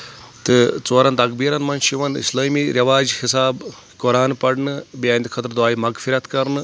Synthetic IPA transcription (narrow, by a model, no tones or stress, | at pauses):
t̪ɨt͡soːɾɐnt̪ɐkbiːɾɐnmɐnʃiʋɐnḭslaːmiːɾjɐʋaːd͡ʒhisaːb | koɾaːnpɐɽnɨbijaːnʲt̪ikʰɐt̪ɾd̪waːjimɐɡfʰiɾɐt̪kɐɾnɨ